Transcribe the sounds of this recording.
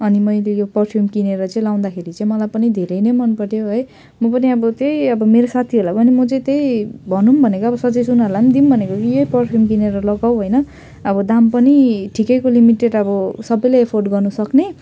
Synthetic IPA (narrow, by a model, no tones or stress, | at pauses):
ʌnimʌjlejopʌrpʰjumkineɾʌt͡saĩlaw̃nd̪akʰeɾit͡sãĩmʌlajpʌnid̪ʱeɾʌjnʌjmʌnpʌʈjoɦʌj | mʌpʌniʌbʌt̪ejʌbʌmeɾosat̪ʰiɦolapʌnimʌt͡sʌ̃t̪ejbʱʌnumbʱʌnekoʌbʌsʌd͡zʌjsunaland̪imbʱʌnekokijojpʌrʈʰjumkineɾʌlʌɡawɦojnʌ | ʌbʌd̪ampʌniʈʰikʌjkolimiʈeɖʌbʌsʌbʌjlaepʰorɖɡʌrnusʌkne